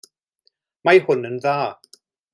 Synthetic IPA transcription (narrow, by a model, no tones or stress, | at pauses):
majhʊnənðaː